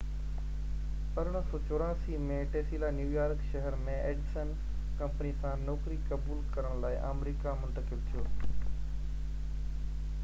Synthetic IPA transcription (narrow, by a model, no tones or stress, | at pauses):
pɐɾəɽ̃sɔːt͡ɕoːɾaːsimẽʈeːsiːlanjuːjaːɾkʃɐɦəɾmẽeːɖsən | kɐ̃mpənisãnɔːkɾikɐbuːlkɐɾəɽ̃laːɪʔa̰ːmɾiːkamʊ̃nt̪əkɪlt̪ʰijoː